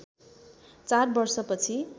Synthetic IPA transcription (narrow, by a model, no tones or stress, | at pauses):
t͡sarbʌrsʌpʌt͡sʰi